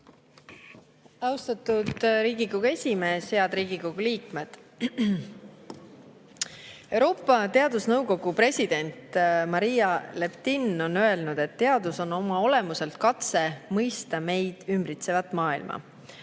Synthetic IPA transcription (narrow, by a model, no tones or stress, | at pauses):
ɑwst̪ɑt̪ud̪̥ɾiːɡikoɡue̞sʲime̞ːshe̞ɑd̪ɾiːɡ̥iko̞ɡ̥uliːkme̞d̪̥ | e̞wɾo̞ːpːˑɑt̪e̞ɑd̪usnɤwko̞ɡ̥upre̞sʲid̪̥e̞nʲt̪mɑɾijɑle̞pt̪inːo̞nːø̞e̞lnud̪̥e̞t̪ːe̞ɑd̪̥uso̞no̞mɑo̞le̞muse̞lt̪̚kɑt̪se̞mɤjst̪ɑme̞jd̪̥ymbrit̪se̞vɑt̪ːˑmɑːilmʔɑ̰